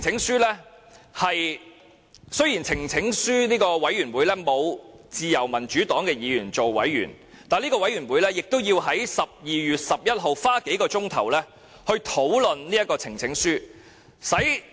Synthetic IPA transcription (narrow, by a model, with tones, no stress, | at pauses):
ŋt͡sʰɪ˨˥ŋsyː˥lɛː˥ | hɐ˨j | sɵ˥ɥjiː˨˩nt͡sʰɪ˨˩ŋt͡sʰɪ˨˥ŋsyː˥niː˥kɔː˧wɐ˨˥jɥyː˨˩nwuː˨˧jlɛː˥mo˨˧w | t͡siː˨jɐ˨˩wmɐ˨˩nt͡ʃyː˨˥t̪ɔː˨˥ŋkɛː˧jiː˨˧jyː˨˩nt͡so˨wːɐ̰˨˥jɥy̰ː˨˩n | t̪aː˨nliː˥kɔː˧wɐ˨˧˥jɥyː˨˩nwuː˨˧jlɛː˥jɪ˨k̚t̪o˥wjiː˧wɦɐ˨˥jsɐ˨p̚jiː˨jyː˨t̚sɐ˨p̚jɐ˥t̚ɦo˨wfaː˥ke˨˥jkɔː˧t͡sʊ˥ŋt̪ʰɐ˨˩wlɛː˥ | hɵ˧ɥt̪ʰo˨˥wlɵ˨nniː˥jɐ˥t̚kɔː˧t͡sʰɪ˨˩ŋt͡sʰɪ˨˥ŋsyː˥ | sɐ˨˥j